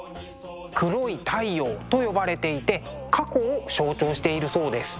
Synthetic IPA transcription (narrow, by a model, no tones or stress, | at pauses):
kɯ̟ɾo̞it̪ʰaijo̞ːt̪o̞jo̞baɾe̞t̪e̞it̪e̞kʰako̞ːɕo̞ːt͡ɕo̞ːɕi̥t̪e̞iɾɯ̟so̞ːd̪e̞sɨ̥